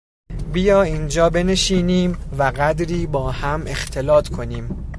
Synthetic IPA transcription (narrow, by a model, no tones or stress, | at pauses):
bijɒːiːnd͡ʒɒːbe̞ne̞ʃiːniːmvæɣæd̪ɾiːbɒːhæme̞xt̪ʰe̞lɒːt̪ʰkʰo̞niːm